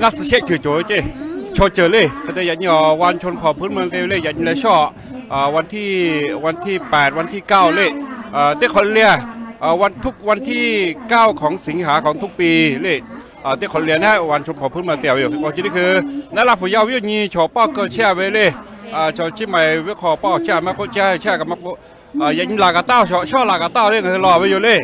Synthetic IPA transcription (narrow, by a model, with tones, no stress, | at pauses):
ŋa˧˩sa˧e˦˥t͡ɕʰɯː˧˩t͡ɕoː˨˦t͡ɕe˧˩˨t͡ɕʰo˧˩t͡ɕɤː˧˩le˧˩kʰa˧˩t̪e˧ja˨˧˩ɲɔː˧˩wa˧nt͡ɕʰo˧npʰɔ˨˩pʰɯː˦˥nmɯ˧ŋle˧˩˧le˥˩˨ja˨˩ɲiː˧lɛ˧t͡ɕʰɔː˧˩ | ʔəː˨˩wa˧nt̪ʰiː˥˩wa˧nt̪ʰiː˥˩pɛː˨˩t̪̚wa˧nt̪ʰiː˥˩kaː˥˩wle˧˩˨ʔəː˨˧˩t̪eː˦˥˩kʰɔ˧lli˧ɐʔaː˨˩wa˧nt̪ʰu˦˥˩k̚wa˧nt̪ʰiː˥˩kaː˥˩wkʰɔː˨˦ŋsi˨˩˦ŋhaː˨˦kʰɔː˨˦ŋt̪ʰu˦˥˩k̚piː˧le˧˩˨ | ʔaː˨˩t̪e˧˥˩kʰɔ˧n˧li˧ɐ˧na˧˥a˧˩wa˧nt͡ʃʰo˧mkʰɔː˨˦˩pʰɯ˦˥˩nmaː˧t̪i˧˩wju˨˩˧ɔ˧˩˨i˧ni˧˥˩kʰɯː˧naː˧˥˨la˧˩pʰu˨˩˦ja˧˨wi˦jo˧˩ɲiː˧t͡ɕʰɔː˨˦pɔː˥˩kɤː˧˩t͡ɕʰɛ˧˥˩we˧˦le˧˩˨ | ʔaː˨˩t͡ɕʰɔ˨˧˩t͡ɕʰi˧˥˩ma˧˩jwe˧˥kʰɔː˧˩pɔː˧˥˩t͡ɕʰiː˧˥˧maː˧˩˨ko˧˥t͡ɕʰɛː˧˨˧t͡ɕʰɛː˧˥˩ka˧˩ma˧˥˩ku˧˥ | ʔaː˨˩ja˨˩ɲi˧laː˨˩ka˧˩t̪aː˧˥˩wʰɔ˧t͡ɕʰɔː˧˥˩laː˨˩ka˧˩t̪aː˥˩wle˧˥˨ŋa˧ɯ˧lɔː˧˩we˧˦juː˨˩˦le˧˥˩